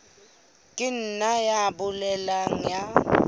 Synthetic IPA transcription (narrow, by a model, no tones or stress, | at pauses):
kʼɪn̩najabʊlɛlaŋ̩ja